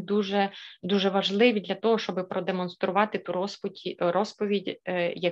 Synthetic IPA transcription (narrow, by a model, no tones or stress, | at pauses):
d̪uʒɛd̪uʒɛʋɐʒlˠɪʋʲid̪lʲɐt̪ɔɦɔʃt͡ʃɔbɪpɾɔd̪emɔnst̪ɾʊʋɑt̪ɪt̪uɾɔspʲrɔspɔʋʲidʲjɐ